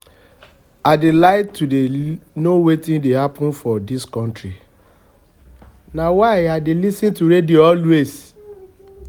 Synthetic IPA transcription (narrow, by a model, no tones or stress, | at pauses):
adelaɪtːudenowetĩndehapɔ̃nfɔdiskɔ̃ntɹi | nawaɪadelisĩntuɾediɔlwez